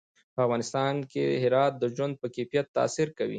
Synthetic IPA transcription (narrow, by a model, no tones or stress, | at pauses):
pəafɣɑnɪst̪ɑnkḛɦɪɾɑt̪̚d̪əʒwand̪̚pəkefijat̪ːa̰siɾkawḭ